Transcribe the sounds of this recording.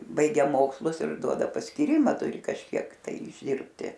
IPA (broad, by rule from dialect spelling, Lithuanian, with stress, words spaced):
ˈbɐɪɡʲɛ ˈmoːkslˠʊs ɪr ˈduɔdɐ pɐsʲkʲiːˈrʲɪmɐ ˈtʊrʲɪ kɐʃʲˈkʲiɛk tɐɪ ɪʒʲˈdʲɪrʲpʲtʲɪ